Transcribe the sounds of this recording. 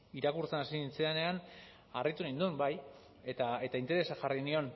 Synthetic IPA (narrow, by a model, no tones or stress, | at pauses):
iɾakuɾt͡senasit͡seane̞an | arit̪unaind̪uembaj | et̪ae̞t̪aint̪e̞ɾe̞saʝarinio̞n